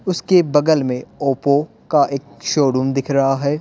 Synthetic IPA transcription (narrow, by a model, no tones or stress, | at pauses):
ʊskebɐɡəlmẽoːpo | kaʔeːkʃoːɽuːmd̪ɪkʰɾɐɦaɦɛː